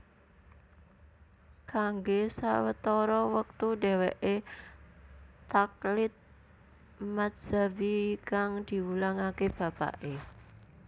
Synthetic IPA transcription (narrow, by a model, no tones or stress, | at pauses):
kaŋɡesa̰wət̪ɔɾɔwək̚t̪uɖe̤weʔe | t̪aklɪt̪̚ | mat̪z̥abikaŋd̪̥i̤wulaŋakeb̥a̤pa̰ʔe